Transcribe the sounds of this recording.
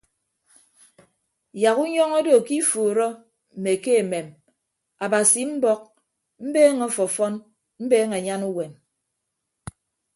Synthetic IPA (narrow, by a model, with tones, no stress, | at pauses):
ja˨ɣu˦ɲɔ˦ŋɔ˦do˨ki˦fu˨ɾɔ˦ | m̩˨me˨ke˦e˨me˨m | a˨ba˨si˨m̩˦bɔ˦k̚ | m̩˦beː˦ŋɔ˦fɔ˨fɔ˦n | m̩˦beː˦ŋe˨ɲa˦nu˦we˨n